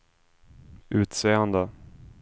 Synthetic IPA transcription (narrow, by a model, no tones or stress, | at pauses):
ʔʉ̟ːt̪seːənd̪ə